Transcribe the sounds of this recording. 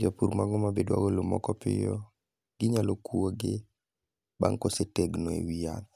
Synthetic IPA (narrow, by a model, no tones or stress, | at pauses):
d͡ʒapuɾmaɡɔmabedwa̰ɡɔlomɔ̰kɔpɪ̰jɔ | ɡɪɲalokuoɡɪ | ba̰ŋkoseteɡnɔḛwianɔ